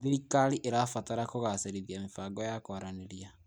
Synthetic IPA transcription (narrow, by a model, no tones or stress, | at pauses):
ðiikaɾiʔeɾafataɾakoɣaseɾiðiamefaːɡɔjakwaɾaneɾia